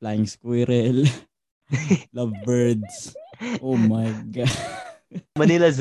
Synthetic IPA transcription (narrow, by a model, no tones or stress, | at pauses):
flajɪŋskwiɾɛl | lɐvbɛɹd̪sʔoːmɐjɡa | mɐnɪlɐz